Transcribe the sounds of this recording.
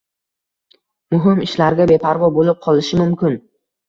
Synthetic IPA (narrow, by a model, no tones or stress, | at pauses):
mʊɦɪmɪʃlaɾɡʲabe̞pʰaɾvɒbolɪp̚qʰɒlɪʃɪmʊmkʲɪn